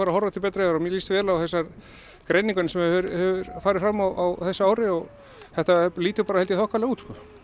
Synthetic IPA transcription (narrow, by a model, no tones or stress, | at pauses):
aɾahɔɾvat̪ʰɪlpɛːt̪ɾaɛaɾɔmjɛliːst̪vɛːlawθɛsːaɾ | kɾejnĩŋkʏnɪsɛmɛɾhɛvʏɾ̥faːɾɪðfɾamːawʔawθɛsːaaːwɾɪɔɣ | θɛht̪aliːt̪ɪpaːɾaɛlt̪ɪθɔhkvalɛɣauːt̪skɔː